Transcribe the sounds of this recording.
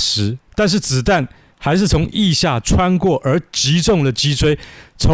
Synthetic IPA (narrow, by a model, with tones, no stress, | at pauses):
ʂɻ̩˨˥t̪a˥˧nʂ̬ɻ̩˥˩t͡sɹ̩˨˩t̪a˥˨˩n | xa˧˥ɪʂɻ̩˥˩t͡sʰʊ˧˥ŋʔi˥˧ɕja˥˨ʈ͡ʂʰwa˦˥nkwɔ˥˩ʔə˞˨˧˥t͡ɕi˧˥ʈ͡ʂʊ˥˨ŋd̪ə˩t͡ɕi˥t͡sʰwe˥ɪt͡sʰo˧˦